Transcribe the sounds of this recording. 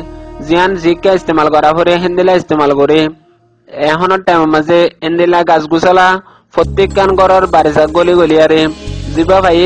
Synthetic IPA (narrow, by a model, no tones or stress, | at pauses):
zianzikːaist̪imalkɔɾafoɾeɦind̪ilaist̪imalkoɾe | ɛɦɔnɔʈajmɔmazɛend̪ilaɡasɡusala | pɔt̪ːikːanɡɔɾɔɾbaɾisak̚ɡoliɡolijaɾezibafaje